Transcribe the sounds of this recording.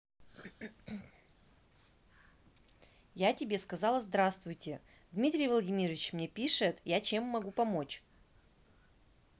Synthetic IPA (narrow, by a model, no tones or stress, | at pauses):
jatʲɪbʲe̞skɐzɑlˠəzd̪ɾast̪vʊjtʲɪ | d̪mʲit̪ɾʲɪjvəlˠdʲɪmʲiɾəvʲɪt͡ɕmnʲe̞pʲiʂɨt̪jat͡ɕemːɐɡupɐmo̞t͡ɕ